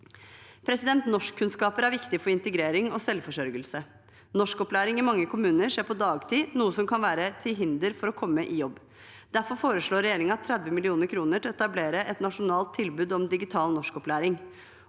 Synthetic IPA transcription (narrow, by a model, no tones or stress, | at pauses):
pʰɾɛsɪd̪ɛnt̪nɔʂkʰːʉnskɑːpəɾæɾʋɪkt̪ɪəfɔɾɪnt̪əɡɾeːɾɪŋɔsɛlfɔʂœɾɡəlsə | nɔʂkɔplæːɾɪŋɪmɑŋːəkʰʊmʉːnəɾʂeːpʰɔd̪ɑːɡt̪ʰiːnuːəsɔmkʰɑnʋæːɾət̪ʰɪlɦɪnd̪əɾfɔɾɔkʰɔmːəʔɪjɔbː | d̪̥æɾfɔɾfoːɾəʂɭoːɾɛjeːɾɪŋəɑt̪ʰːɾɛd̪ʋəmɪlɪuːnəɾkʰɾuːnəʈɪlɛt̪ɑbleːɾəʔɛt̪nɑʂʊnɑːlt̪ʰːɪlbʉːd̪ɔmd̪ɪɡɪt̪ʰɑːlnɔʂkɔplæːɾɪŋ